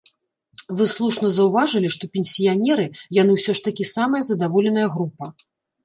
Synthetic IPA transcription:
vɨslˠuʂnɐzɐwvaʐɨlʲiʂt̪ɔpʲɛnʲsʲijanʲɛɾɨjanɨwsʲɔʂt̪ɐkʲisamɐjɐzɐd̪avɔlʲɛn̪ɐjɐɣɾupɐ

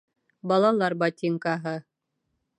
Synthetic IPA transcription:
bɑlˠɑlˠɑɾbɑtʲiŋkɑɦɤ

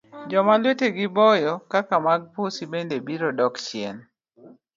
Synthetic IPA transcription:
d͡ʒɔmalweteɡɪbɔjɔkakamaɡ̚posibendebiɾɔdɔkt͡ʃɪḛn

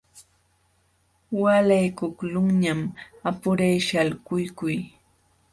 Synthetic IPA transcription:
walajkʊklʊŋɲamapʊɾajʃalkʊjkʊj

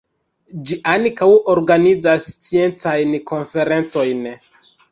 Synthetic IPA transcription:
d͡ʒiʔankawo̞ɾɡanid͡zast͡sie̞nt͡sajnkʰo̞nfe̞ɾe̞nt͡so̞jn

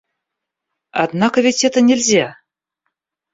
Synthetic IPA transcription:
ɑ̰d̪nɑkəvʲetʲet̪ə̆nʲelʲzʲæ

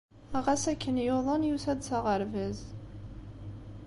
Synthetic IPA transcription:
æʁæsækːənjoðˤənjusæd̪sɑʁəɾvəz

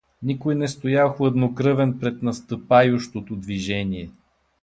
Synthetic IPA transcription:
nikojnɛst̪ojaxʊɐd̪nokɾɤvɛnpɾɛt̪nɐst̪əpajʊʃt̪ot̪od̪viʒɛnʲiɛ

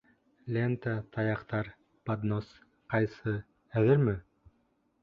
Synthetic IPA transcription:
lʲent̪ət̪ʰɑjɑqt̪ɑɾ | pad̪nos | qɑjsɤ | æðɘɾmɘ

